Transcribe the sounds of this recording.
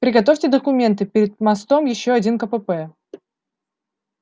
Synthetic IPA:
pɾʲɪɡɐt̪̬ofʲtʲɪd̪əkʊmʲe̞nt̪ɨpʲɪɾʲɪd̪̚mɐst̪omjɪɕːoɐdʲinkəpəpɛ

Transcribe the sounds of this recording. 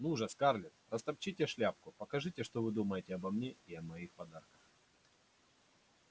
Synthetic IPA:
nuʐɐskarlʲɪt̪rəst̪ɐp̚t͡ɕitʲɪʂlʲap̚kʊpəkɐʐɨtʲɪʂt̪ovɨd̪uməjɪtʲɪɐbɐmnʲeɪɐmɐixpɐd̪arkə̥x

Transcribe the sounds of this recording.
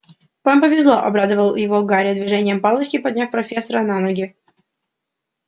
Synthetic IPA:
pampəvʲɪzlˠoʔɐ̰bɾad̪əvəlˠjɪvoɡaɾʲɪd̪vʲɪʐɛnʲɪjəmpalˠət͡ɕkʲɪpɐd̪ʲnʲafpɾɐfʲesːəɾənanoɡʲɪ

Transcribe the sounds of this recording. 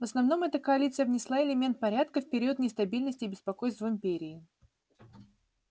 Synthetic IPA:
vəsnɐvno̞mɛt̪əkəɐlʲit̪sɨjəvnʲɪslˠaɪlʲɪmʲe̞nt̪̚pɐɾʲat̪̚kəfpʲɪɾʲiuot̪nʲɪst̪ɐbʲilʲnəsʲtʲɪːbʲɪspɐko̞jst̪vəɪmʲpʲeɾʲɪː

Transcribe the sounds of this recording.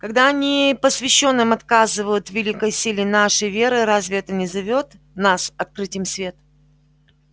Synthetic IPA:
kɐɡd̪aɐnʲipəsvʲɪɕːo̞nːɨmɐt̪kazɨvəjʊt̪vʲɪlʲikəjsʲilʲɪnaʂəjvʲe̞ɾɨɾazʲvʲɪɛt̪ənʲɪzɐvʲo̞t̪ | nasɐt̪̚kɾɨtʲɪjɪmsvʲe̞t̪

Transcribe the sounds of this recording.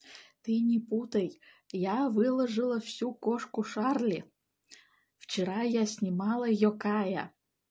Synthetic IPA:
t̪ɨnʲiput̪əj | javɨlˠɐʐɨlˠəfsʲukoʂkuʂɑrlʲi | ft͡ɕeɾɑjasʲnʲimɑlˠəjokɑja̰

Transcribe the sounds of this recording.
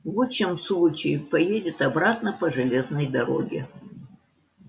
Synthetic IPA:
voɕɪmslˠut͡ɕɪɪpɐjedʲɪt̪ɐbɾat̪nəpəʐɨlʲe̞znəjd̪ɐɾo̞̰ɡʲɪ̰

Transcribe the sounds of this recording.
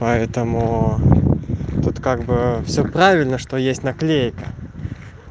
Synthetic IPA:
pɐɛt̪əmʊ | t̪ut̪kaɡbɨfsʲopɾavʲɪlʲnəʂt̪ojesʲtʲnɐklʲejkə

